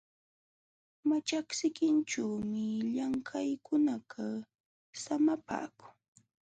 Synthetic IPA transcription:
mat͡ʃaksɪkɪnt͡ʃawmɪʎaŋkʰajkʊnaɢʰa | samapa̰ːkʊ̥ŋ

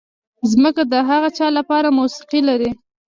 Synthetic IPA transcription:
zməkad̪əɦaɣat͡ʃɑlapɑɾamusɪ̥qilaɾi

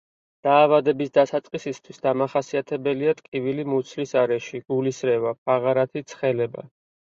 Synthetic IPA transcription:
d̪̥aːvad̪ɛbisd̪asat̪sʼqʼisist̪ʰwisd̪amaχasiat̪ʰɛbɛliat̪ʼkʼivilimut̪sʰlisaɾɛʃiɡ̥ulisɾɛvap̚ʰaʁaɾat̪ʰit̪sʰχɛlɛba̰

